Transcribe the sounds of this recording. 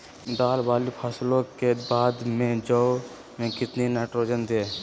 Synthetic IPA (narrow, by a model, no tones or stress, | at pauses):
d̪aːlʋaːlipʰaːslõkebaːd̪mẽd͡ʒəw | mẽkɪt̪ninaːʈɾoːd͡ʒənd̪eː